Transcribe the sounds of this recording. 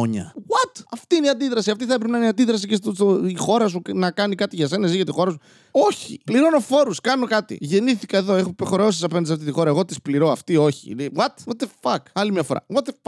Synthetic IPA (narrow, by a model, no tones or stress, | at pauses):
oɲɐ̰ɣwɐt̪ɐft̪iiniɐnd̪iðɾɐsiɐft̪iθɐepɾepenɐineɐnd̪iðɾɐs̬icest̪soixo̞ɾɐs̬unɐkɐnikɐt̪iʝɐse̞nɐziʝɐt̪ixo̞ɾɐsu | o̞çḭpliɾo̞no̞fo̞ɾuskɐno̞kɐt̪ḭʝe̞niθikɐe̞ðo̞exopexoɾeosisɐpenɐd̪sɐft̪it̪ixo̞ɾɐe̞ɣo̞t̪ispliɾo̞ɐft̪io̞çḭnewɐt̪wot̪efɐkɐlimɲɐfoɾɐ̰wɐt̪ef